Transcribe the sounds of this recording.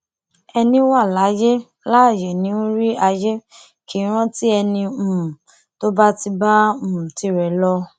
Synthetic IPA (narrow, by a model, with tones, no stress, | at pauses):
ɛ˧nĩ˦wa˦˨la˨˦je˦ | la˦˨jɛ˨nĩ˨˦ũ˦ɾi˦a˧je˦ | ki˨˦ɾ̃ɔ̃˦ti˦ɛ˧nĩ˧˨ | to˦ba˦ti˧bã˦˨ti˨˧ɾɛ˨lɔ˦